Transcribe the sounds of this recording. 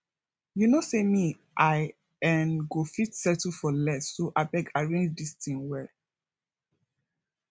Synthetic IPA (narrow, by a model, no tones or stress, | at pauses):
junosemi | ʔaɪ | ɛ̃nɡofitsɛtəfɔlɛsːoʔaɪbɛɡaɹẽnd͡ʒdistĩŋwɛl